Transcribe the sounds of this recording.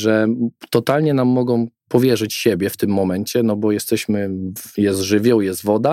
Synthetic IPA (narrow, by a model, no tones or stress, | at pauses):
ʐɛt̪ɔt̪alɲɛnamːɔɡɔ̃w̃pɔvʲjɛʐɘt͡ɕɕɛbʲjɛft̪ɘmːɔmɛɲt͡ɕɛnɔbɔjɛst̪ɛɕmɘjɛs̬t̪ʐɘvʲjɔ̃w̃jɛst̪vɔd̪a